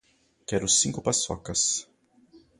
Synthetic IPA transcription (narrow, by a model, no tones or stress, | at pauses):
kɛɾʊsĩkʊpasɔ̰kɐs